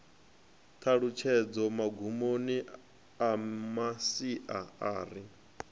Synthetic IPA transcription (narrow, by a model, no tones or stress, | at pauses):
t̪ʰaɺut͡ʃʰɛd͡zɔmaɡʱumoni | amasiʔaaːɾi